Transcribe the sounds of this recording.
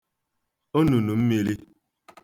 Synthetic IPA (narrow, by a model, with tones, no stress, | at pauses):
o˦nu˨nu˨m̩˦me˦ɾi˦